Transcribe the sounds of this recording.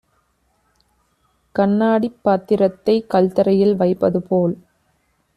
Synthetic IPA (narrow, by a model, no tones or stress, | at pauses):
kɐɳːaːɽipːaːt̪ːɪɾɐt̪ːɐɪkɐlt̪ɐɾɐjɪlʋɐɪpːɐðɯpoːl